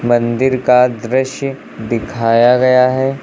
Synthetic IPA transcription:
mɐ̃nd̪ɪɾkad̪ɾɪʃjə | d̪ɪkʰaːjaɡɐjaɦɛː

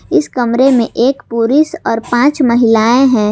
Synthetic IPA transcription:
ɪskɐmɾemẽʔeːkpuːɾɪsɔːɾpãːt͡ʃmɐɦɪlaːẽɦɛ̃ː

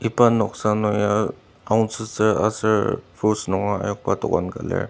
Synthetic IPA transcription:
ipanɔksanɔja | awnsɯsəasəpʰusnɔŋaa̰jɔk̚patɔ̰kankalɛ̰

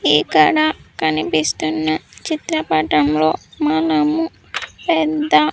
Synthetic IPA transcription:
iːkɐɽakɐnipist̪unːɐt͡ʃit̪ɾɐpɐʈɐmlo̞ːmɐnɐmu | pɛd̪ːɐ

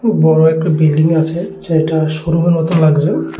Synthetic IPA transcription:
bɔɹɔɛkubildiŋasɛzatasoɾumanmɔt̪ɔnlaɡzɔ

